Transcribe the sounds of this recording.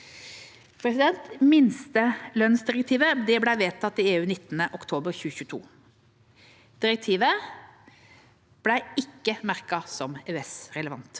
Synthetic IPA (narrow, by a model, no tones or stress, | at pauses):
pʰɾɛsɪd̪ɛnt̪mɪnst̪əlœnsd̪ɪɾɛk̚t̪ʰiːʋəd̪ɛblæɪʋeːt̪ʰːɑt̪ːɪeːʉːnɪt̪ːnəʔɔkt̪ʰoːbəɾçʉːəçʉːət̪ʰṵː | d̪̥ɪɾək̚t̪ʰiːʋə | b̥læɪɪkːəmæʁkɑsɔmɛɛsɾɛləʋɑ̰nt̪